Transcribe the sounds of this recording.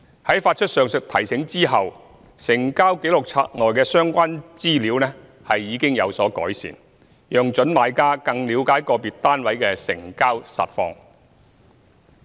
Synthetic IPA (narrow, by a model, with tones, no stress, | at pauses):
hɐ˨˥jfaː˧t̚t͡ʃʰɵ˥t̚sœː˨ŋsɪ˨k̚t̪ʰɐ˨˩jsɪ˨˥ŋt͡siː˥ɦɐ˨w | sɪ˨˩ŋkaː˥wke˨˥jlʊ˨k̚t͡sʰa̰ː˧t̚ŋɔː˨jkɛː˧sœː˥ŋkʷaː˥nt͡siː˥liː˨˥wnɛː˥ | hɐ˨jːiː˨˧kɪ˥ŋjɐ˨˧wsɔː˨˥kɔ̰ː˨˥jsḭː˨˩n | jœː˨ŋt͡ʃɵ˨˥nmaː˨˧jkaː˥kɐ˧ŋliː˨˧wkaː˨˥jkɔː˧piː˨t̚t̪aː˥nwɐ˨˥jkɛː˧sɪ̰˨˩ŋkaː˥wsɐ̰˨t̚fɔ̰ː˧ŋ